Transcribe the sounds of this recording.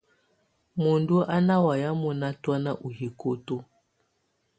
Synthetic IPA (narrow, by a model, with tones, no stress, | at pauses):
mo˨ndu˦ʔa˦na˦wa˨ja˦mɔ˨na˦twa˦na˦ʔu˨ɦi˨ko˦to˦